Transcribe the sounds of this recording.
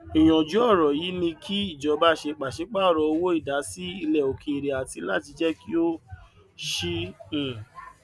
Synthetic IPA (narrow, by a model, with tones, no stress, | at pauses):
i˨j̃ɔ̃˨d͡ʒu˨˦ɔ˦˨ɾɔ˨ji˨˦nĩ˧kʰi˦i˦˨d͡ʒɔ˨˦ba˦ʃe˧k͡pa˨ʃe˧˦k͡pa˦ɔ˦˨ɾɔ˧˨o˧wo˦i˦˨da˨˦si˦i˧lɛ˨o˨kʰe˨e˨ɾe˨a˨ti˧˦la˦˨ti˧d͡ʒɛ˦ki˦o˦ | ʃĩ˧˨